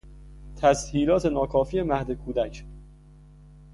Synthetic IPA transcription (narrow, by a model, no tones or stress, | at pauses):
t̪ʰæzhiːlɒːt̪ʰe̞nɒːkʰɒːfiːemæhd̪ekʰuːd̪æcʰ